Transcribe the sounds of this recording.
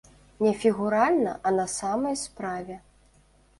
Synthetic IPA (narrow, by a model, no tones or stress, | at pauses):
nʲɛfʲiɣuɾalʲnɐʔɐnɐsamɐjspɾavʲɛ